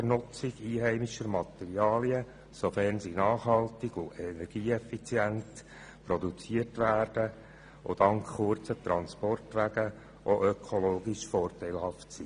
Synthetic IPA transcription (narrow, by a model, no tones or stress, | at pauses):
ərnʊt͡sɪɡiːɦɛɪmiʃəɾmɑt̪ɛɾiɑːliə | sofɛrnsinɑːχhɑltɪɡ̥ʊɛnɛɾɡ̥iːɛfit͡sjænt | pɾɔdut͡siərtʋæːrd̥ə | ʔo̰d̥ɑŋkχʊrt͡sət̪ɾɑnspɔrtʋæɡə | ʔoʔøkʰoloːɡiʃfɔːrtæɪlhɑftsiː